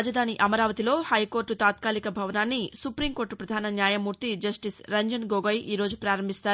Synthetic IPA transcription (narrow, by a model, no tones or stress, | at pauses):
d͡ʒɐd̪ʱaːniʔɐmɐɾaːʋɐt̪ilo̞ːhɐjko̞ːɾʈut̪aːt̪̚kaːlikɐbʱɐʋɐnaːnːisupɾiŋkoːɾʈːpɾɐd̪ʱaːnɐnjaːjɐmuːɾt̪id͡ʒɐsʈisɾɐɲd͡ʒɐnɡoːɡɐjʔiːɾo̞ːd͡ʒupɾaːɾɐmbʱist̪aːɾ